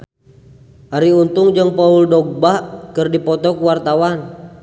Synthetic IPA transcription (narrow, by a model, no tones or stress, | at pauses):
ʔaɾiunt̪uŋd͡ʒɨŋpauldɔɡ̚baʔkɨrdipɔt̪ɔkuwart̪awan